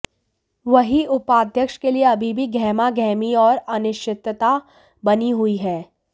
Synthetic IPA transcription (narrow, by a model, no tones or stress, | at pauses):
ʋɐɦiʔʊpaːd̪ʱjəkʃkelieɐbʱibʱiɡʱɛːmaɡɛːmiɔːɾɐnɪʃt͡ʃɪt̪t̪a | bɐniɦuiɦɛː